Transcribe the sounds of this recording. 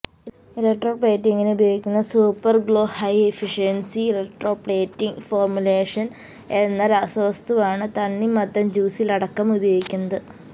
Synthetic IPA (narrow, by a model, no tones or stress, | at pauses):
ilekʈroːpɭe̞ːtːiŋɡinubɐjoːɡikʲːunːɐsuːpːɐrɡɭo̞ːhɐjefiʂjɐnsiilek̚ʈro̞ːpɽeːtːiŋɡfoːrmule̞ːʂɐn | enːɐɾɐsɐʋɐst̪uʋaːɳɨt̪ɐnːimɐt̪ːɐmd͡ʑuːsilɐɽɐkːɐmubɐjo̞ːɡikʲːunːɐðɨ